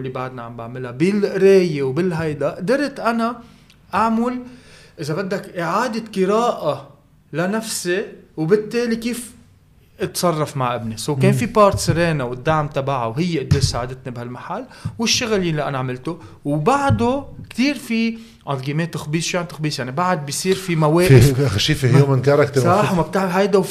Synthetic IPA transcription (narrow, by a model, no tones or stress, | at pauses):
lːibaʕd̪naʕambaʕmɪlabɪlʔɾeːjewbɪlɦajd̪aʔʔd̪ɑɾˤt̪ʔana | ʔaʕmʊlʔɪzabad̪ːakʔɪʕaːd̪ɪqɨɾaːʔa | lanafsewbɪt̪ːeːlikiːf | ʔɪt̪sˤɑrˤːɑfmaʕʔɪbnɪsawkeːnfipɑːɾt̪sɪɾeːnawɪd̪ːaʕmt̪abaʕawɦɪjːeʔɪd̪ːeːsaːʕad̪ɪt̪nibhalmaħalːwɪʃːʊɣljalːiʔanaʕmɪlt̪ʊ | wbaʕd̪okt̪iːɾfi | ʔat̪ɡiːmeːt̪ʊxbiːsʃijant̪ɪxbiːsjaʕnibaʕad̪̚bɪjsˤiːɾfimaweːʔɪfʃiːfihjjoːmɪnkɑɾˤɑkt̪sˤɑħwmab̚t̪aʕlɦajd̪aw